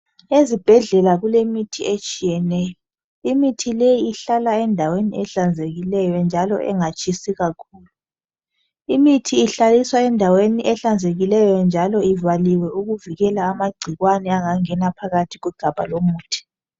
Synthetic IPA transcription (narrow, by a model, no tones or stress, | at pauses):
ezib̥ʱɛɮɛlaɣulemitʰiet͡ʃʼijɛnɛjɔ | imitʰilejiːɬalaɛndʱaweniɛɬand͡zʱeɣilɛjɔnd͡ʒʱalɔ̰ʔɛ̰ŋat͡ʃʼisiɣakʰuːlu | imitʰiːɬaliswaɛndʱaweniʔɛɬand͡zʱeɣilɛjɔnd͡ʒʱalɔivaliwɛuɣuviɣɛlaːmaɡ͡ǀʱiɣwanɛaŋaŋɛnapʰaɣatʰiɣuɡ̥ʱab̥ʱalomuːtʰi̥